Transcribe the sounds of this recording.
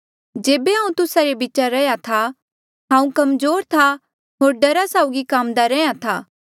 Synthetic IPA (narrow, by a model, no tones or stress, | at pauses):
d͡ʒeːbeɦãːũt̪ʊsaɾebiːt͡ʃaɾɛjat̪ʰa | ɦãːũkɐmzoːɾt̪ʰa | ɦoːɾɖɐɾasaːʊɡikaːmd̪aɾɛjãt̪ʰaː